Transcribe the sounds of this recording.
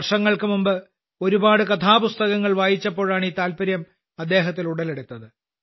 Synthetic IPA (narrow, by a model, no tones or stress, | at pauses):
rʂɐŋːɐɭkɨmumbɨ | o̞ɾubaːɽɨkɐt̪ʰaːpust̪ɐɣɐŋːɐɭʋaːjit͡ɕːɐpːo̞ːɻaːɳiːt̪aːlpɐɾjɐm | ɐd̪ːe̞ːɦɐt̪̬ːiluɽɐleɽut̪ːɐðɨ